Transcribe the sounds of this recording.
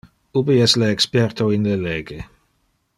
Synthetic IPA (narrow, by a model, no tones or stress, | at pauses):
ubiɛsleːkspɛrt̪oinleleːɡe